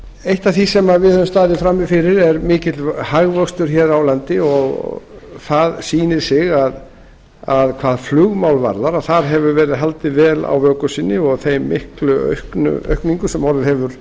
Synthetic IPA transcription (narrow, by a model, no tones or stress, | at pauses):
ejht̪aθisɛmavɪðɛðʏmst̪aːðɪfɾamːɪfɪɾɪɾɛɾmɪːcɪt̪lhaɣvœkst̪ʏɾ̥çɛːɾawlant̪ɪɔɣ̰ | θaðsiːnɪɾ̥sɪɣað | aðkʰvaːðflʏɣmawlva̰ɾðaɾaθaɾ̥ɦɛvʏvɛːɾɪðɦalt̪ɪvɛːla̰wvœːkʏsɪnːɪɔɣθejmːɪhklʏœ̰ɥhknʏ̰œ̰ɥhkniŋkʏsɛmɔɾvɪhɛvʏɾ̥